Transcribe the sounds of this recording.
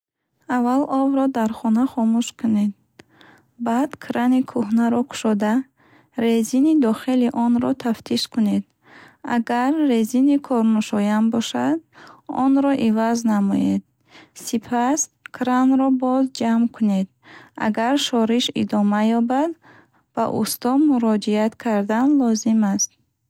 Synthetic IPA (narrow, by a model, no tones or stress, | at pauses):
avalɔvɾɔd̪aɾχɔnaχɔmuʃkʰune̞d̪̚ | bad̪kʰɾanikʰuhnaɾɔkʰu̥ʃɔd̪a | ɾe̞zinid̪ɔχiliʔɔnɾɔt̪ʰaft̪ʰiʃkune̞d̪ | a̰ɡaɾːezinikʰɔɾnuʃɔjambɔʃad̪ɔ̰nɾɔʔivaznamɔ̰jed̪̥̚ | sipʰaskʰɾanɾɔbɔzd͡ʒamkʰuned̪ | a̰ɡaɾʃɔɾiʃḭd̪ɔmajɔbad̪ | b̥a̰ʔust̪ɔmuɾɔd͡ʒiat̪kʰaɾd̪anlɔzimast̪̚